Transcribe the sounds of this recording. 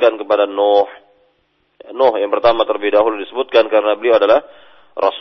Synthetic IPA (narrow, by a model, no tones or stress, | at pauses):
kankəpadanɔh | nɔhjaŋpərt̪amat̪ərbihdaɦuldisəbut̪̚kankaɾənabəlioadalah | ra̰s